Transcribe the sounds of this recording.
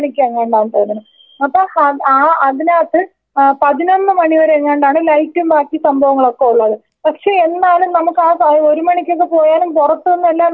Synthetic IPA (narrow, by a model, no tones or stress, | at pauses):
ɳikʲːueŋːeːɳɖaːɳp̪oːnunːɐ | ɐpːoːɐaːɐðinaːʈːɨ | pɐðino̞nːɨmɐɳiʋɐɾeŋːeːɳɖaːɳɨlɐjtːumbaːkːisɐmbʱɐʋɐŋːɐɭo̞kːe̞uɭːɐðɨ | pɐkʂe̞ːenːaːlumnɐmukːaːo̞ɾumɐɳikʲːok̬ːe̞po̞ːjaːnumpurɐt̪ːuenːuelːaː